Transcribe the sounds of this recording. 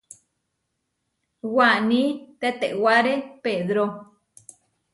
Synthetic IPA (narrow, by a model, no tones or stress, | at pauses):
wanĩt̪et̪eʔwaɾepeðɾo